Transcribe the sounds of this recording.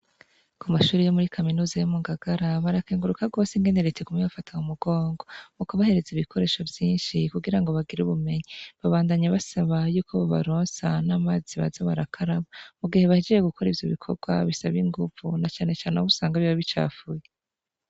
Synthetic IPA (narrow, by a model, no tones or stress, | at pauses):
kumaʃuːɾijomuɾikʰaminuːzajomuŋɡaɡaɾaβaɾakeːŋɡuɾukabɡo̞ːsiŋɡe̞ne̞ɾetekumijafataŋumuɡo̞ːŋɡo̞mukuβahe̞ɾe̞ziβikʰo̞ɾe̞ːʃo̞vjiːnʃikuɡiɾaŋɡo̞βaɡiɾuβume̞ɲiβaβaːndaɲaβasaβajuːkʰoβoβa̰ɾoːnsanaːmaːziβa̰zaβaɾakʰaɾaβamuɡihe̞βahed͡ʒeje̞ɡukʰo̞ɾivjo̰βikʰo̞̰ɡwaβisaβiŋɡuvunat͡ʃaːne̞t͡ʃaːneuβusaːŋɡaβiβaβit͡ʃa̰ːfuje